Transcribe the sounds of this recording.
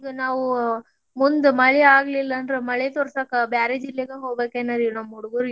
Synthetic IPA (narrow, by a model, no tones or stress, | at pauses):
d̪unaːʋu | mund̪umɐɭɛaːɡɐlilːɐnd̪ɾemɐɭɛt̪oɾsaːkɐbjaːɾed͡ʒilːeɡeɦoːɡbeːkenːɐɾinɐmːuɽuɡuɾ